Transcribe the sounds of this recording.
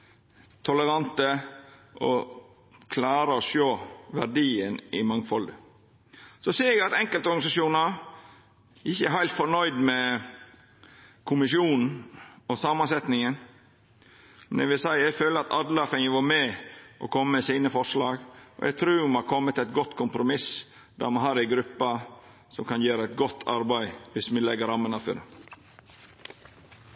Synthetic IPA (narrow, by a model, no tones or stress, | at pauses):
t̪ʰɔləɾɑnt̪əʔɔ̰ | kʰlɑːɾəɔʃoːʋæɾɖiːənɪmɑŋfɔld̪ə | sɔseːɛɡɑt̪ɛŋkəlt̪əɔɾɡɑnɪsɑʂuːnɑɾ | ʔɪçːəæɦæɪlt̪fɔɳœʏd̪mɛ | kʰʊmɪʃjuːnn̩ɔsɑːmɑnsɛt̪nɪŋən | mɛnɛ̰ɡʋɪlsæɪæɪføːləɾɑt̪ʰɑd̪lɑfɛŋəʋɑmɛʔɔ̰kʰɔmːəmɛsiːnəfɔʂɭɑːɡɔ̰ʔɛ̰ɡ̚t̪ʰɾʉːmɑɾkʰɔmːət̪æɪt̪ɡɔt̪ːkʰʊmpɾʊmɪs | d̪æ̰ɾmɑnɦɑːɾæɡɾʉpːɑ | sɔmkɑnjøːɾəæɪt̪ɡɔt̪ʰːɑ̰ɾbæɪʋɪsmɪlɛɡəɾɑmːənɑfœ̰ɾə